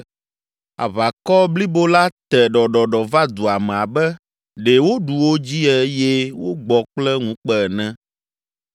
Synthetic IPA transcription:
a̰˨βa˨kɔ˦bli˦bo˦la˦t̪ɛ˨ɖɔ˨ɖɔ˨ɖɔ˨va˦d̪u˨a˨mɛ̃˨a˨bɛ˦ | ɖe˨wo˦ɖu˨wo˦d͡ʑi˦ɛ˦je˦wo˦ɡ͡bɔ˨k͡plɛ˦ŋũ˦k͡pɛ˦˨nɛ̃˦

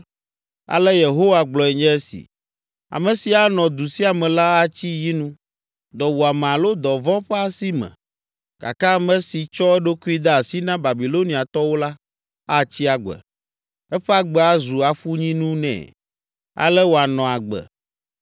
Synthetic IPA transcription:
a̰˨lɛ˦je˨ɦo˦wa˨ɡ͡blɔ˨ɛ˨ɲɛ̃˦ɛ˦sḭ˨ | a̰˨mɛ̃˨si˨a˨nɔ̃˨d̪u˨si˦a˨mɛ̃˨la˦a˦t͡ɕi˦ji˦nũ˦ | d̪ɔ˨wo˨a˨mɛ̃˨a˨lo˦d̪ɔ˨vɔ̃˦ɸɛ˦a˨si˦mɛ̰̃˨ | ka̰˨ka˦mɛ̃˦si˨t͡ʃɔ˦ɛ˦ɖo˦ku˦i˦d̪a˦a˨si˦nã˦ba˨bi˨lo˦nĩ˨a˨t̪ɔ˦wo˦la˦ | a˦˨t͡ɕi˦a˨ɡ͡bɛ̰˨ | ɛ˦ɸɛ˦a˦ɡ͡bɛ˦a˦zu˨a˨fu˦ɲĩ˦nũ˦nɛ̰̃ː˨ | a̰˨lɛ˦wo˨a˨nɔ̃˨a˨ɡ͡bɛ̰˨

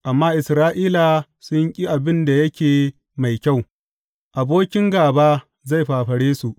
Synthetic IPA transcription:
ʔa˨mːaː˦ʔɪ˨sɾaː˦ʔiː˦la˨ | sʊ˦ɲkʲʼi˦ʔa˨bɪ˦nda˨jɐ˦kʲeː˨ | ma˨jkʲa˦˨w | ʔa˨boː˦kʲɪ˦ŋɡaː˨baː˦ | za˦˨jɸaː˨ɸɐ˨ɽeː˦su˨ʔ

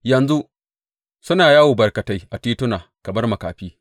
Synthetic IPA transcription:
jɐ˨nzu˦ʔ | sʊ˦naː˨jaː˦wu˨bɐ˨rkɐ˨ta˦jʔa˨tiː˦tʊ˦naː˨ | kɐ˨mɐ˦rmɐ˨ka̰ː˨ɸiː˦

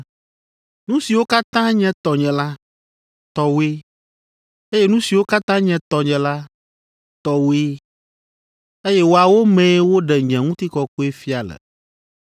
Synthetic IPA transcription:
nũ˦si˨wo˦ka˦t̪ã˦ɲɛ̃˦t̪ɔ˨ɲɛ̃˨la˦ | t̪ɔ˨we˦ | e˦jɛ˦nũ˦si˨wo˦ka˦t̪ã˦ɲɛ̃˨t̪ɔ˨ɲɛ̃˨la˦ | t̪ɔ˨wo˦e˦ | e˦jɛ˦wo˦a˨wo˦mɛ̃˨˦wo˦ɖɛ˨ɲɛ̃˨ŋũ˦t̪i˦kɔ˨ko˦e˦fi˦a˨lɛ̰˨

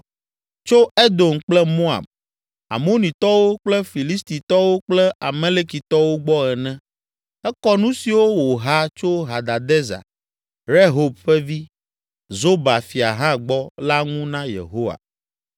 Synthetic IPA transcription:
t͡ʃo˦e˦d̪o˨mk͡plɛ˦mo˦a̰˨b̚ | a̰˨mo˦nĩ˨t̪ɔ˦wo˦k͡plɛ˦fi˨li˦st̪i˨t̪ɔ˦wo˦k͡plɛ˦a˨mɛ̃˦le˦ki˨t̪ɔ˦wo˦ɡ͡bɔ˦ɛ˨nɛ̃˦ | ɛ˦kɔ˦nũ˦si˨wo˦wo˨ɦa˦t͡ʃo˦ɦa˨d̪a˨d̪ɛ˦za̰˨ | ɾe˦ɦo˨bɸɛ˦vi˦ | zo˦ba˨fi˨a˨ɦã˦ɡ͡bɔ˦la˦ŋũ˦nã˦jḛ˨ɦo˦wa̰˨

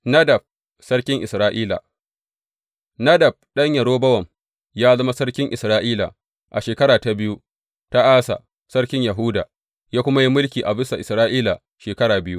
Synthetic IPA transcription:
nɐ˦dɐ˨b̚ | sɐ˦ɽkʲɪ˦ŋʔɪ˨sɾaː˦ʔiː˦la̰˨ | nɐ˦dɐ˨b̚ɗɐ˦ɲjɐ˨ɽoː˦bɐ˦wɐ˨m | jaː˦zɐ˦ma˦sɐ˦ɽkʲɪ˦ŋʔɪ̰˨sɾaː˦ʔiː˦la̰˨ | ʔa˨ʃeː˨kɐ˦ɽaː˨ta˨bɪ˦ju˦ | ta˦ʔaː˦sa̰˨ | sɐ˦ɽkʲɪ˦ɲjɐ˨ɦʊ˦da̰ː˨ | jaː˦kʷʊ˦ma˦ji˦mʊ˦lkʲiː˨ʔa˨bɪ˦sa˨ʔɪ˨sɾaː˦ʔiː˦la˨ | ʃeː˨kɐ˦ɽaː˨bɪ˦ju˦

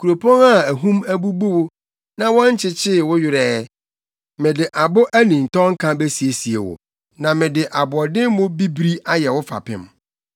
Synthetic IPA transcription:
kʰu˨ɾo˨pʰɔ̃˦ŋa˦æ˨ɦũ˦mæ˦bu˦bu˦wʊ˦ | nã˨wɔ̃˦n˦t͡ɕʰɪ˦t͡ɕʰɪ˦˨wʊ˦jɪ˦˨ɾɛː˦ | mɪ̃˨dɪ˨ʔa˨bʊ˦ʔæ˦nĩ˨n̩˨tʰɔ̃˦ŋ̩˦kʰã˦be˦si˨e˨si˨ḛ˨wʊ̰˨ | nã˨mɪ̃˨dɪ˨ʔa˨bʊ˨ɔ˨dɪ̃˦m˦mʊ̃˦bi˦bɾi˦a˦jɛ˨wʊ˦fa̰˨pʰɪ̰̃˦m

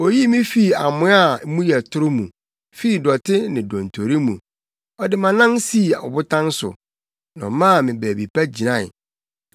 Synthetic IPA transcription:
o˨ji˦mĩ˦fi˨a˨mʊ̃˦a˦˨˦mũ˦jɛ˨tʰʊ˦ɾʊ˦mũ˨ | fi˦i˨dɔ˨tʰɪ˦nɪ̃˨dɔ̃˨n̩˨tʰo˨ɾi˦mũ˨ | ɔ˦dɪ˦mã˨nã˦n˦si˦˨a˨ʊ̰˨bʊ˦tʰã˦n˦sʊ̰˨ | nã̰˨mã˦˨mɪ̃˨bæ˨bi˨pʰæ˦d͡ʑi˨nã˦˨

